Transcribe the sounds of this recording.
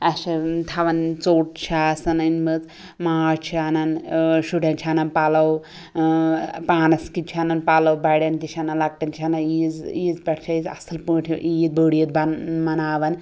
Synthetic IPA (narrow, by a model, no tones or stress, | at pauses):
ɐʃɐt̪ʰɐʋɐnt͡soːʈ̚t͡ʃʰasɐnɐnmɨt͡s | maːɾt͡ʃʰianɐnʃuʈɐnt͡ʃʰanɐnpalɐw | paːnɐskit͡ʃʰanɐnpalɐwbɐɽjɐnt̪iʃʰanɐnlɐk̚ʈɐnt͡ʃʰanɐid͡zizpʲɐʈʰt͡ʃʰajizɐ̰sɨlpəːʈʰiʔijit̪̚bəɽijɐt̪̚bɐnmɐnaːʋɐn